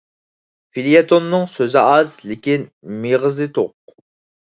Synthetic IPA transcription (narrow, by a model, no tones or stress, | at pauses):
filijet̪ʰonːɨŋsøzɪʔɑzlɪkʲinmeʁəzɨt̪ʰoq̚